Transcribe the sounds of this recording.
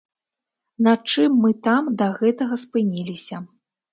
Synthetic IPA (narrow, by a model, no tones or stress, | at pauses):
nɐt͡ʂɨmːɨt̪amd̪ɐɣɛt̪ɐɣɐspɨnʲilʲisʲɐ